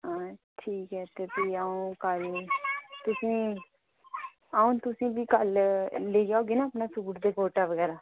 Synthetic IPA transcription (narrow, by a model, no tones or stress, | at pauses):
ɦãːʈʰiːkɦɛːt̪eːpiːaːũːkəl | t̪ʊsĩː | aːũːt̪ʊsĩːbiːkəlleːɡaːoːɡeːnaːəpnaːsuːɾd̪eːkoːʈaːʋəɡɛːɾaː